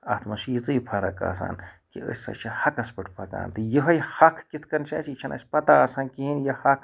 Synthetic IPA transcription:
ɐ̰t̪ʰmɐʃit͡sɨːpʰɐɾɐka̰ːsa̰ːnkiə̰sʲsɐ̰t͡ʃʰɐhɐkɐspɨʈʰpʰɐka̰ːnt̪ɨjəɦɐjhɐkʰkit̪ʰkɐnt͡ʃʰɐ̰ːsit͡ʃʰɐnʔɐ̰sʲpɐt̪asɐnkiɦinjɐhɐkʰ

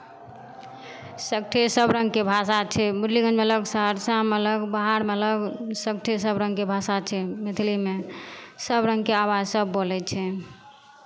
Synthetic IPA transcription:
sək̚ʈʰesəbɾə̃ŋɡkebʱasat͡ʃʰɛbuɾliɡə̃d͡ʒmeələɡsəɦəɾsamələɡbaɦaɾmeələɡsək̚ʈʰesəbɾə̃ŋɡkebʱasat͡ʃʰɛmet̪ʰlimesəbɾə̃ŋɡkeabad͡ʒsəbːolɛt͡ʃʰɛ

